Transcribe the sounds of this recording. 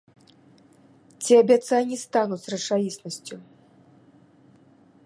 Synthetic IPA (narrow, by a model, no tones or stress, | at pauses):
t͡sʲiabʲat̪sajnʲist̪anusrɐt͡ʂajisnɐsʲt͡sʲu